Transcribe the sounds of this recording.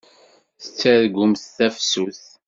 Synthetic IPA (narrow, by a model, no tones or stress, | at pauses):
θə̥t͡sːæðɡʊmθθæfsuθ